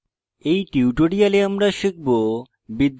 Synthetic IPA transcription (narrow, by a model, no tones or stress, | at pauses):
ejʈiwʈoɽijaleamɾaʃik̚bo | bid̪ː